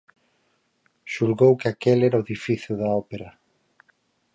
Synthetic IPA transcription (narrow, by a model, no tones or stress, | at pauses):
ʃulɣowkɪakelɛɾaoeðifiθjʊðɐɔpeɾɐ